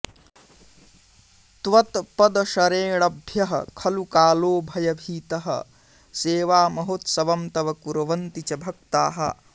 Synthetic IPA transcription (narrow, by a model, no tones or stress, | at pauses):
t̪ʋɐt̪pɐd̪ɐʃɐɾeːɽɐbʱjɐɦɐ̰kʰɐlukaːloːbʱɐjɐbʱiːt̪ɐɦɐ̰ | seːʋaːmɐɦot̪sɐʋɐmt̪ɐʋɐkuɾɐʋɐnt̪it͡ʃɐbʱɐkt̪aːɦɐ̰